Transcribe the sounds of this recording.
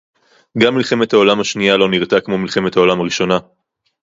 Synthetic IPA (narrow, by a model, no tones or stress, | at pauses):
ɡamːilχe̞me̞t̪hao̞lamhaʃnijalo̞niʁt̪akmo̞milχe̞met̪hao̞lamaʁiʃo̞na